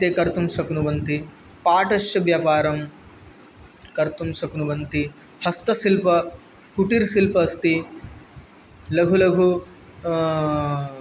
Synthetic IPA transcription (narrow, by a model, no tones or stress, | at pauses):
t̪eːkɐɾt̪umsɐkunuʋɐnt̪i | paːʈɐʃjɐʋjaːpaːɾɐm | kɐɾt̪umsɐkunuʋɐnt̪i | hɐst̪ɐsilpɐ | kuʈiɾsilpɐst̪i | lɐɡʱulɐɡʱu